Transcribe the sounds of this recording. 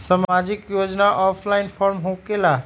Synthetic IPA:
samad͡ʒikjod͡ʒnaʔɔpʰlainpʰɔɾmɦokela

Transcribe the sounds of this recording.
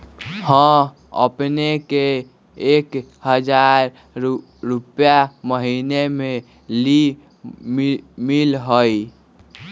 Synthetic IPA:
hə̃ | ə̰pnekeː | kɦəd͡ʒaɾ | ɾupjaməɦineme | li | milɦoj

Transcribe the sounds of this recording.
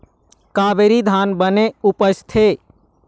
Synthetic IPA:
kaːbeɾid̪ʱaːnbəneʊpəst̪ʰe

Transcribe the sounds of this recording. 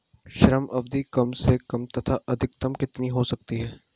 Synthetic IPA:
ʃɾəmɐbd̪ikɐmsekɐmt̪ɐt̪ʰaʔɐd̪ʱɪk̚t̪ɐmkɪt̪niɦosɐk̚t̪iɦɛː

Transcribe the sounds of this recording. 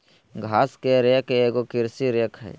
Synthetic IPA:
ɡʱaːskeɾeːkeeːɡokɪɾsiɾeːkɦɛ̰ː

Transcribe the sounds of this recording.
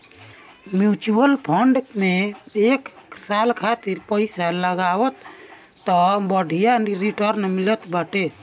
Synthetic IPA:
mjut͡ʃuəlpʰəɳɖmeeksalkʰat̪iɾpəɪsaləɡawət̪ː | ɔbəɖʱijaɾiʈəɾnmilət̪baʈe

